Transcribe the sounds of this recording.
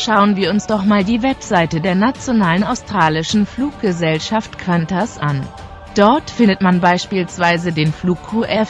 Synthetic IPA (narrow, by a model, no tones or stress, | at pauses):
ʃaʊənviːɐʊnsd̥ɔχmaːldiːvɛpz̥aɪtədeːɐnat͡sjonaːlənaʊstʁ̥aːlɪʃn̩fluːk̚ɡ̥əzɛlʃaftkʰv̥antasʔan | d̥ɔɐtfɪndətmanbaɪʃpiːlsv̥aɪzədeːnfluːkʰːuːʔɛf